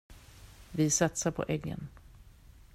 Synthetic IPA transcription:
vɪsat̪saɾpʰɔ̰ʔɛɡːə̰n

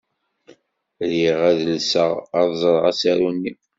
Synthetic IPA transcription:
ɾiʁæðəlsə̰ʁɑðˤzˤɾˤʁæsæɾunːi

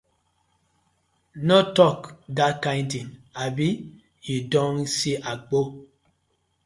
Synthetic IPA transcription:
nɔtɔkdakãjntiŋabi | judɔ̃nsiʔak͡po

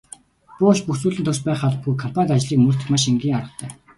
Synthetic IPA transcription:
puːɔʃpuxsuːɮɘ̆nt̪ʰʊrs̚pæːχaɮə̆p̚ɡujkʰɔm̥pʰant̪at͡ɕɮiːkmɵɬt̪ɘ̆xmaʃiŋɡʲiːŋaɾə̆t̪ʰœː

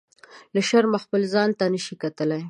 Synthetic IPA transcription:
laʃaɾmaxpəlzɑnt̪anəʃikat̪əlaj

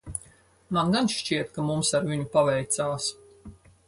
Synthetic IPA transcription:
manɡanʃt͡ʃiɛt̪kamumsaɾvʲiɲupavɛjt̪saːs

